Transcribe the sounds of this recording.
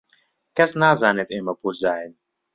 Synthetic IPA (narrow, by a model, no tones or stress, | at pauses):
kɛsnazanɛt̪eməpuzajn